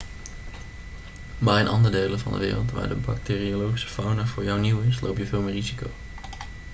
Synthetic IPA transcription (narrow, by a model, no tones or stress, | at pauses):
bɛjənʔɑndəɹdejlənvɑ̰ndə̰ʋɪ̰ːrəlˠtʋa̰ːɹdəbɑ̰k̚teːriolowχisə̥fɔwnəvʊːɹjɔwniwɪslʔo̰wpjəvɪːlˠmɪːrizikow